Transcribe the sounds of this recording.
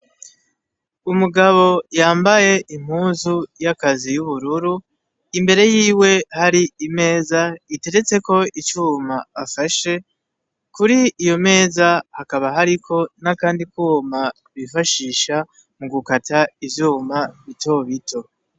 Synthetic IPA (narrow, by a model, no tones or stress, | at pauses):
umuɡaβo̞jaːmbaje̞ʔim̥huːzujakazijuβuɾuɾu | imbe̞ɾe̞jiːwe̞haɾiime̞ːzaite̞ɾe̞t͡se̞ko̞it͡ʃuːmaafaʃe̞ | kuɾiijo̞me̞ːzahakaβaɦaɾikʰo̞nakaːndikuma | βifaʃiːʃa | muɡukataivjuːmaβito̞βito̞